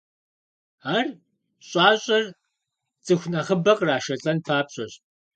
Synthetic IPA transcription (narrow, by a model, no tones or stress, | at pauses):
aːr | ɕʼaːɕʼɐr | t͡sʼɨxʷnɐχəbɐqʼraːʃɐɬʼɐnpʰaːpɕʼɐɕ